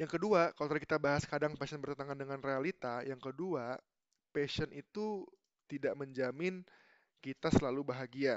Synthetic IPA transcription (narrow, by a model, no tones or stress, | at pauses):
jaŋkəduakalot̪aɾkit̪abaɦaskadaŋpaʃənbərt̪ət̪aŋandəŋanrealit̪ajaŋkədua | pesənʔit̪u | t̪idaʔməɲd͡ʒamɪn | kit̪asəlalubaɦaɡia